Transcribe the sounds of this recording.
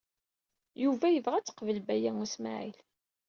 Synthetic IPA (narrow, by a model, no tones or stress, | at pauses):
juvæjəvʁæt͡sːə̥qvəlbæjæŋusma̰ʕḭl